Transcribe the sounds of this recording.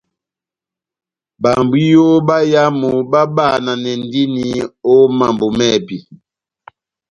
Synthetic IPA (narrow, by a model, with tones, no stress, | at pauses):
ba˨mbu˦jo˦ba˦ja˦mu˨ba˦ba˦˨na˨nɛ˨n˦di˦ni˦o˦ma˨mbo˨mɛ˦˨bi˨